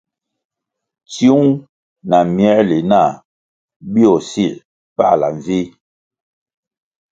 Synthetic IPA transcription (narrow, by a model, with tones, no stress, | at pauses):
t͡si˦u˦ŋ | na˨mjɛ˦li˨na˦˨ | bi˦ɔ˨si˦˨ | pa̰˦ʔla̰˨ɱ˨vi˦